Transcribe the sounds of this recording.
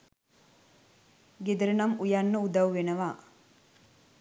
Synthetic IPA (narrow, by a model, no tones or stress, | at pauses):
ɡed̪əɾənamujanːəud̪awʋenəʋaː